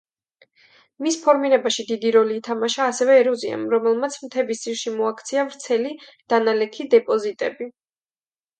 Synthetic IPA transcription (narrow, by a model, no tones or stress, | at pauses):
mispʰɔɾmiɾɛbaʃid̪id̪iɾɔliːt̪ʰamaʃaːsɛvɛːɾɔzia̰mɾɔmɛlˠmat̪sʰmt̪ʰɛbisiɾʃimɔakʰt̪sʰiavɾt̪sʰɛlid̪̥analɛkʰid̪ɛpʼɔzit̪ʼɛbi